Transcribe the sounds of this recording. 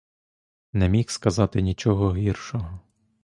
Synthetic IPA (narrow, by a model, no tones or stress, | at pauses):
nɛmʲixskɐzɑt̪ɪnʲit͡ʃɔɦɔɦirʃɔɦɔ